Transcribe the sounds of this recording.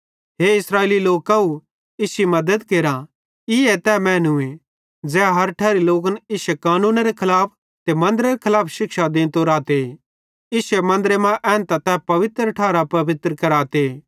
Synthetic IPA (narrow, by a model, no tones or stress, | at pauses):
ɦeɪsɾaːeːliloːkau | ɪsimɐd̪əd̪keːɾa | ɪɛt̪ɛmɛ̃ːnue | d͡zɛːɦɐɾʈʰɛːɾiloːkənɪsɛkaːnũːnaɾekʰɐlaːp̚ʰ | t̪emɐ̃nd̪əɾeɾekʰɐlaːpʰʃɪkʃad̪ẽːnt̪oɾaːt̪e | ɪsɛmɐ̃nd̪əɾemãʔɛ̃ːnt̪at̪ɛpɐʋɪt̪ɾəʈʰaːɾapɐʋɪt̪ɾəkɐɾaːt̪e